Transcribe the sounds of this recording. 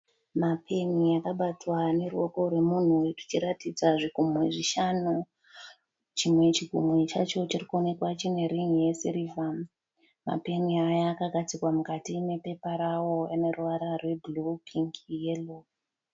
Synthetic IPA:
mapʰe̞nijakaɓatwane̞ruwo̞ko̞rwe̞mun̤urit͡ʃiɾatid͡zaʐiɡʱumweʐiʃanu | t͡ʃimwe̞t͡ʃiɡʱumet͡ʃat͡ʃo̞t͡ʃirikuo̞ne̞kwat͡ʃine̞riŋije̞siɾivam | ma̰pe̞niajaːkaɡʱat͡sikwamukatine̞pe̞paɾawo̞ane̞ruʋaɾarwe̞bulukʰiŋɡjelok

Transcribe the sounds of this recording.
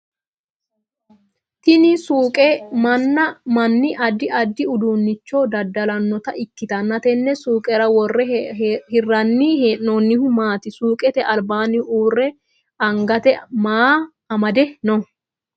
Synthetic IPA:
t̪ɪnɪsuːkʼɛmɐnːɐmɐnːɪʔɐd̪ːɪʔɐd̪ːɪʊd̪uːnːɪt͡ʃːo̞ːd̪ɐd̪ɐlɐnːɔt̪ɐʔɪkːɪt̪ɐnːɐt̪ɛnːɛsuːkʼɛɾɐwɔrːɛhɪrːɐnːiːheʔnonːɪhʊmaːt̪ɪsuːkʼɛt̪ɛʔɐlbaːnɪʔuːrːɛ | ɐŋɡɐt̪ɛmaː | ɐmɐd̪ɛnɔ

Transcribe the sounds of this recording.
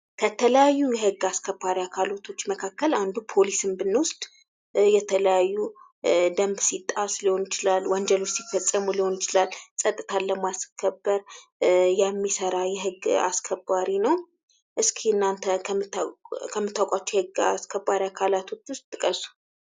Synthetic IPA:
kʰət̪ʰələjajːujɛɦɨɡaskʰəbaɾiakʰalot̪ʰo̞t͡ʃːməkʰakːəland̪upʰo̞lisɨmbɨnːwʊst̪ʼ | jɛt̪ʰələjajːu | d̪əmbsit̪ʼasliho̞njɪt͡ʃɪlalːwɔɲd͡ʒɛlot͡ʃsifːəsʼəmuliho̞njɪt͡ʃɪlalːsʼət̪ʼɨt̪ʰaləmaskʰːəbːəɾjɛmːisəɾajɛɦɨɡa̰skʰəbaɾinəw | ʔɨskʰihɨnːant̪ʰəmkʰəmːɨt̪ʰːawkʼat͡ʃːujɛhɨɡa̰skʰəbːaɾiakʰalat̪ʰo̞t͡ʃːwʊst̪̚ʼt̪ʼːɨkʼəsu̥

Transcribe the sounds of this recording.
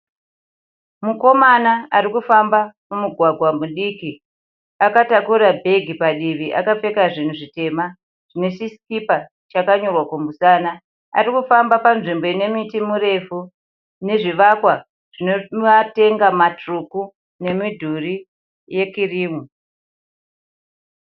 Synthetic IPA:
muko̞manaaɾikufambamumiɡʱwaɡʱwamuɗiki | akatakurabʱe̞ɡʱipaɗiʋiʔa̰kap͡fe̞kaʐin̤uʐite̞ma | ʐ̥ine̞t͡ʃiskipa | t͡ʃakaɲorwakomusaːna | a̰ɾikufambapanʐimbo̞ine̞mitimuɾe̞fu | ne̞ʐiʋakwa | ʐ̥inoate̞ŋɡamatruku | ne̞midʱuri | je̞kiriːmu

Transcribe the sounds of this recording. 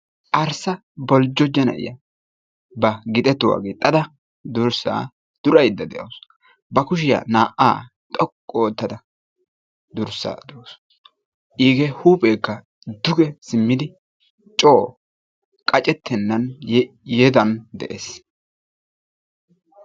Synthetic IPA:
ʔɐɾsɐ | bɔld͡ʒːɔd͡ʒɛnɐ̰ʔɪ̰jɐ | bɐɡɪt̪ʼɛt̪ːʊwa̰ːɡɪt̪ʼːɐd̪ɐ | d̪ʊɾsa̰ː | d̪̥ʊɾɐjd̪ːɐd̪ɛʔɐws | bɐkʊʃ̬ɪjɐ̰naːʔa̰ː | t̪ʼɔkʼːoːt̪ːɐd̪ɐ | d̪ʊɾsːa̰ːd̪ɛwos | ʔiːɡɛhuːpʼeːkːɐ | d̪ʊɡɛsɪmːɪd̪ɪ | t͡ʃʼoː | kʼɐt͡ʃʼɛt̪ʰːɛnːɐn | jɛd̪ɐnd̪ɛʔḛːs

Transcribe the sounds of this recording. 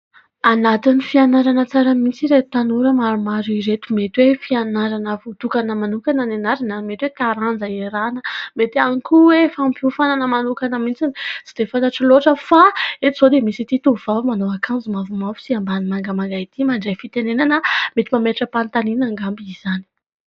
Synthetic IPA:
anat̪inifianaɾanət͡saɾəmint͡siɾeut̪anuɾəmaɾumaɾiɾet̪umet̪wefianaɾanəvut̪ukanəmanukananenaɾanamet̪wet̪aɾand͡zəeɾanəmet̪iaŋkuwefampufananəmanukanəmint͡sinisi̥d̪̥efant̪aʈ͡ʂiloʈ͡ʂəfaet̪z̥od̪emisit̪it̪uv̥avmanoakʰanzimavumavu̥siambanimaŋɡəmaŋɡait̪imaɳɖ͡ʐajfit̪enenanəmet̪imameʈ͡ʂəpant̪aninaŋɡambizani̥

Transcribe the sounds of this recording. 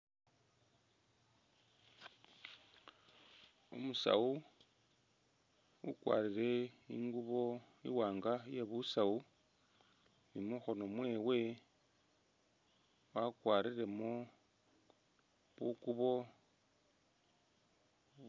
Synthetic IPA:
ṵmusa̰u | wṵkwa̰ːɾiɾe̞ḭŋɡuβo̞ | ḭwaːŋɡaje̞βusau | nimuxo̞no̞mwe̞ːwe̞ | wakwaːɾiɾe̞mo | βukuβo̞

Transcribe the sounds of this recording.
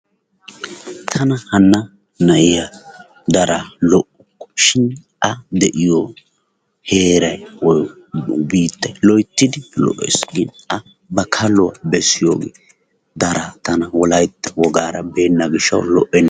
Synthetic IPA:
t̪ʰɐnɐhɐnːɐ | nɐʔɪja | d̪ɐɾalɔʔʊkːɔ̥ʃɪn | ʔɐd̪ɛʔɪjɔ | he̞ːɾɐjwɔ | biːt̪ːɐjlɔjt̪ːɪd̪ɪlɔ̰ʔːɛ̰sɡɪnɐ | bɐkʰɐlʊwɐ̰bɛsːɪjo̰ːɡḛː | d̪ɐɾaːt̪ɐnɐwɔlɐjt̪ːɛwɔɡaːɾɐbe̞ːnːɐɡɪʃːɐ̰wlɔ̰ʔːɛnː

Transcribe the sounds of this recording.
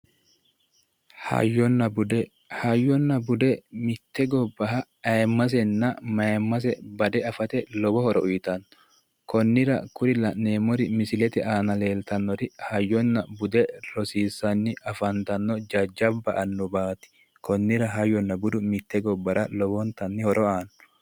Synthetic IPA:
hɐ̰jːɔnːɐbʊd̪ɛ | hɐjːɔnːɐbʊd̪ɛmɪt̪ːɛɡɔbːɐɦɐ | ɐjɛmːɐs̬ɛnːɐmɐjɛmːɐs̬ɛbɐd̪ɛɐfɐt̪ɛlɔbɔhɔɾɔʔʊjt̪ɐnːɔ | kɔnːɪɾɐ̰kʊɾɪlɐneːmɔɾɪmɪsɪlɛt̪ɪaːnɐle̞ːlt̪ɐnːɔɾɪhɐjːɔnːɐbʊd̪ɛlɔsiːsːɐnːɪʔɐfɐnt̪ɐnːɔd͡ʒɐd͡ʒːɐbːɐʔɐnːɔbaːt̪ɪ̥ | kʰɔnːɪɾɐɦɐjːɔnːɐbʊd̪ʊmɪt̪ːɛɡɔbːɐɾɐlɔbɔnt̪ɐnːɪhɔɾʔɔaːnɔ

